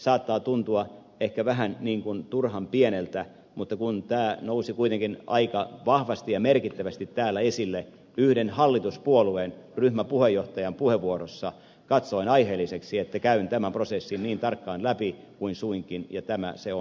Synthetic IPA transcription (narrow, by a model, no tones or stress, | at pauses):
sɑːt̪ːɑːt̪unt̪uɑ | ehkæʋæɦænniːŋkunt̪urhɑmpienelt̪æ | mut̪ːɑkunt̪æːnousikuit̪eŋkinɑ̰ikɑʋɑhʋɑst̪ijɑmerkit̪ːæʋæst̪it̪tæːlːæesilːe | yhdenhɑlːit̪uspuolueːnryhmæpuhejːoht̪ɑjɑmpuheʋːuorosːɑ | kɑt̪soinɑiheːlːiseksiet̪ːækæynt̪æmæmprosesːinniːnt̪ɑrkːɑːnlæpi | kuinsuiŋkinjɑt̪æmæ̰seon